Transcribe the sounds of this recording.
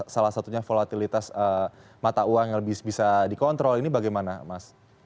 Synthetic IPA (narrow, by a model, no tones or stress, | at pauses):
salasat̪uɲafolat̪ilit̪asə | mat̪auaŋjaŋləbɪhbisadikɔnt̪ɾɔlinibaɡajmanamas